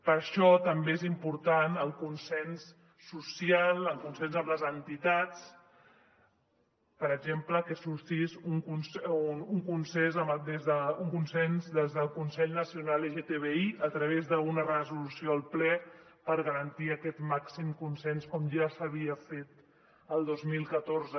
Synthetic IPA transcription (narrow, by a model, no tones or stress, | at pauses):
pəɾʃɔt̪əmbeezimpuɾt̪anəlˠkunsɛnsː | usjalˠəlˠkunsɛnzəmləzənt̪it̪at͡s | pəɾəɡʒempləkəsuɾt̪izuŋkunsuŋkunsɛnzəmd̪ezðəuŋkunsɛnzd̪ezðəlˠkunsɛʎnəsiunaleʒet̪eβeiʔət̪ɾəβezðəunərəzulusioəlˠplɛpəɾɣəɾənt̪iəkɛt̪maksimkunsɛnskɔmʒasəβ̞iəfet̪ | əlˠd̪ozmilˠkət̪oɾzə